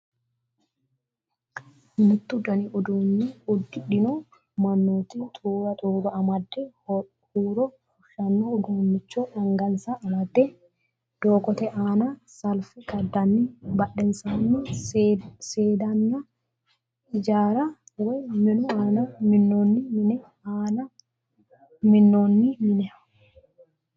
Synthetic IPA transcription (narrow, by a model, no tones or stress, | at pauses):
mɪnːʊt̪ːɪʊd̪ɐniʔʊd̪uːnːɪʊd̪ːɪᶑɪno | mɐnːoːt̪it̪ʼʰuːɾɐt̪ʼuːɾɔɐmɐd̪ːɛ | huːɾɔ | ʃɐnːoʊd̪umːɪt͡ʃːoːᶑɐŋɡɐnsaʔɐmɐd̪ːɛ | d̪̥oːkɔt̪ɛʔaːnɐsɐlfɪɡɐd̪ːɐnːɪbɐɗːɛnsanːɪ | seːd̪ɐnːɐ | ɪd͡ʒaːɾɐwɔjmɪnʊaːnɐmɪnːoːnːɪmɪnɛ | aːnɐ | mɪnːoːnːɪmɪnɛ